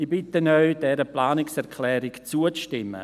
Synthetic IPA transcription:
ibɪtənœɥd̥ɛɾəplaːnɪksɛʁkʰlɛːɾɪkt͡suət͡sʃtɪmːə̰

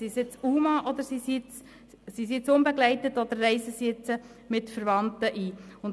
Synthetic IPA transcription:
sisɪt͡suːmɑʔɔd̪əɾsisit͡s | sisit͡sʊmbɛɡlɛɪtətɔd̪əɾːɛɪsəsit͡sə | mɪtfəɾvɑntəʔiːʊn

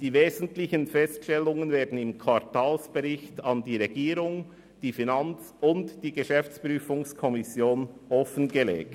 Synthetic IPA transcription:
d̥iːveːzn̩tlɪçənfɛstʃtɛlːʊŋənveːɐdn̩ɪmkʰwaɾtaːlsb̥eʁɪçtɑndiːʁeɡiːɾʊŋ | d̥iːfinant͡s | ʊntd̥iːɡəʃɛft͡spʁyːfʊŋskʰɔmɪsjoːnɔfənɡəlḛːk̚

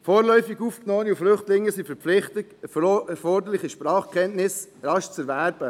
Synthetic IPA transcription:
foːɾlœʏfiɡufknoːəniuflʏχtlɪŋːəsifɛɾplɪχtəɛfɔɾdəɾlɪχiʃprɑːχkʰɛntnɪsrɑʃt͡sɛɾvæɾb̥ə

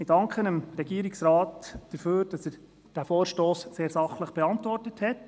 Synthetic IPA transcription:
ɪdɑŋkχənəmɾɛɡiːɾiksɾɑːtd̥əføːɾd̥ɑsəɾ | d̥æfɔːɾʃtoːsseːɾsɑχləχb̥ɛɑntʋɔrtəthɛt

